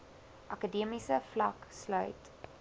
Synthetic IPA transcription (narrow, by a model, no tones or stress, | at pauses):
ʔɐkədiəmisəflɐkslœɥt